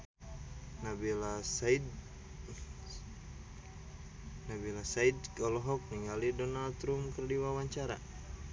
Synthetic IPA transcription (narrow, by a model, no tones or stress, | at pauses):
nabilasid | nabilasaid̪̚kɔlɔɦɔk̚niŋɡalidɔnalt̪ɾumkərdiwawaɲt͡ʃaɾa̰